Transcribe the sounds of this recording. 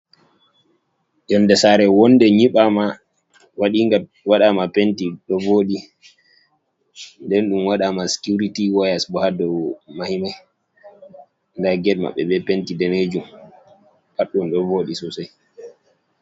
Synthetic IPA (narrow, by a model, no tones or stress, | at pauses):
jɔnːdɛsaɾɛwɔndɛɲiɓama | waɗiːŋɡa | waɗamapentiɗɔvoːɗi | ndɛnɗumwaɗamasi̥kuɾitiwajasbɔhadɔmahimaj | ndaɡɛdma̰ɓːɛ̰bɛpentidɛned͡ʒum | baɗːunɗɔvoɗisɔsaj